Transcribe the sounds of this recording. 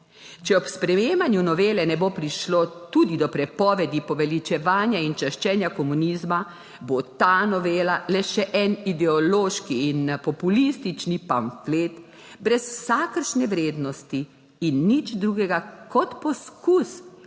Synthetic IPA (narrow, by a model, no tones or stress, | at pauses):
t͡ʃɛɔpspɾɛjeːmanjunɔʋeːlɛnɛboːpɾiʃloːt̪ud̪id̪ɔpɾɛpɔːʋɛd̪ipɔʋɛlit͡ʃɛʋaːnjaint͡ʃɛʃt͡ʃɛːnjakɔmuniːzma | bot̪aːnɔʋeːlalɛʃɛʔɛnid̪ɛɔloːʃkiːnpɔpulist̪it͡ʃnipamfleːt̪ | bɾɛswsaːkəɾʃnɛʋɾeːd̪nɔst̪iː | nːit͡ʃd̪ɾuːɡɛɡakɔt̪pɔskus